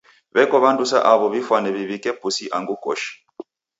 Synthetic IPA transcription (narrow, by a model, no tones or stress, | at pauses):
βɛkɔβandusa̰ʔaβɔβifwanɛβiβikɛpusiʔaŋɡukɔ̰ʃi̥